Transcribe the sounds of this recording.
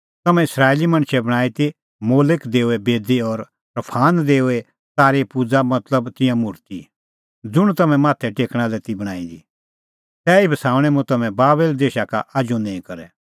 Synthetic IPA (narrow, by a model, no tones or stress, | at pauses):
t̪ɐmɛ̃ɪsɾaːelimɐ̃ɽ̃ʃɛbɐɽ̃aːit̪i | moːlɪkd̪eːuɛbeːd̪iɔɾ | pɾɐpʰaːnd̪eːuɛ | saːɾepud͡zamɐt̪ləbt̪ɪ̃jãmʊɾt̪ḭ | d͡zʊɽ̃t̪ɐmɛ̃maːt̪ʰɛʈeːkɽ̃alɛt̪ibɐɽ̃a̰ːĩd̪ḭ | t̪ɛːibʱɐsaːʊ̃ɽ̃ɛmũt̪ɐmɛ̃baːbeld̪eːʃaka̰ʔad͡ʒunɛ̃ːĩkɐɾɛ̰